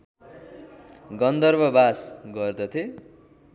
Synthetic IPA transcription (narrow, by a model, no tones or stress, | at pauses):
ɡʌnd̪ʌrbʌbasɡʌrd̪ʌt̪ʰe